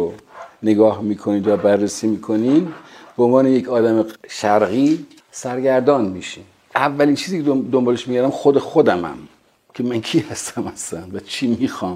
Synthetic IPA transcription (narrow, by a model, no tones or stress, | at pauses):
oneɡɒːhmiːkʰoniːnd̪jɒːbærːesiːmiːkʰoniːnb̥eonvɒːnejekʰɒːd̪æmeʃæɾɣiː | sæɾɡæɾd̪ɒːnmiʃin | ʔævːæliːnt͡ʃʰiːziːkʰed̪ombɒːleʃmiːɡæɾæmxod̪exod̪æmæ̰m | kʰe̞mæŋkʰiːhæst̪ʰæmhæslænvæt͡ʃʰiːmiːxɒːm